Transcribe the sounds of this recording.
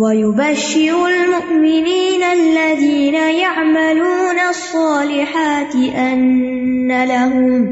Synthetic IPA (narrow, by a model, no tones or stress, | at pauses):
wajʊbaʃːɪɾʊlmʊʔmɪniːnalːaðiːnajaʕmaluːnasˤːɑːlɪħaːt̪ɪʔanːalaɦʊm